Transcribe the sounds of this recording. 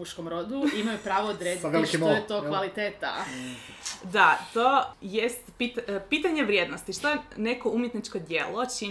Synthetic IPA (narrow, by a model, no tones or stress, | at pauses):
uʃkomɾod̪uimajupɾaːʋoːd̪ɾeziʋelikimoojet̪okʋalit̪eːt̪a̰ | d̪at̪ojest̪pit̪piːt̪aɲeʋɾʲjeːd̪nost̪iʃt̪ojene̞koumjet̪nit͡ʃkod̪jeːlot͡ʃi